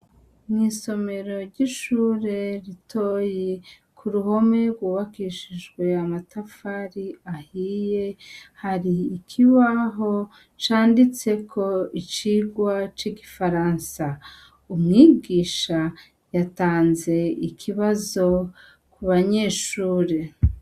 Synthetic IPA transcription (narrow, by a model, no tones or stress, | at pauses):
mŋiːso̞me̞ɾo̞ɾɟiʃuːɾe̞ɾitʰoje | kʰuɾuho̞me̞ɡwuːβakiʃiʒɡwe̞amatafaɾiahije̞haɾiːkʰiβaɦo̞ | t͡ʃaːndit͡se̞kʰo̞it͡ʃiɡwat͡ʃiɡifaɾansa | umŋiːɡiːʃa | jataːnze̞ikʰiβazo̞ | kuβaɲe̞ːʃuːɾe̞